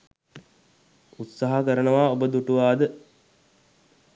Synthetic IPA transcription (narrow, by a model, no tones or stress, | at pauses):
ut̪saɦakəɾənəʋaːobəd̪uʈuʋaːd̪ə